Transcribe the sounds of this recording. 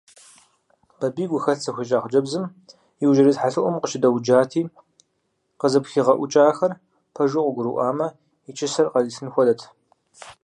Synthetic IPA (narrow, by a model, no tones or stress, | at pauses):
b̥ɐbiːɡʷʊxɐɬt͡sʰɐxʷit͡ʃʼaːχd͡ʒɐbzɨm | jiwʒɐɾizħaɬɨʔʷɔmqəʃɪdɐwd͡ʒaːtʰiː | qəzɨpxiːʁɐʔʷʊt͡ʃʼaːxɐr | pʰɐʒʊqʷʊɡʷʊɾṵʔaːmɐ | it͡ʃʼʰɪsɐrqɐziɬɨnxʷɔdɐtʰ